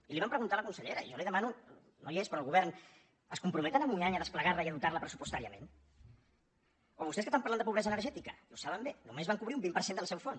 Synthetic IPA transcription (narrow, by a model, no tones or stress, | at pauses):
iliβampɾəɣunt̪aləkunsəʎeɾə̰iʒɔliðəmanu | no̰jiespɾɔːlˠɣuβɛrn | əskumpɾumɛt̪ənəmuɲaɲəðəspləɣaɾləiəðut̪aɾləpɾəsupust̪aɾiəmḛ̃n | oβust̪eskəst̪ampaɾland̪əpuβɾɛzəːnəɾʒɛt̪ikəiusaβəmbenumezβaŋkuβɾiumbimpəɾsend̪əlˠsɛwfon